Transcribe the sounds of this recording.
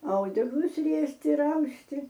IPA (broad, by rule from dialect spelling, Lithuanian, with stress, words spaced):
ˈɐʊdʲɛklˠʊs ˈrʲiɛsʲtʲɪ ɪr ˈɐʊsʲtʲɪ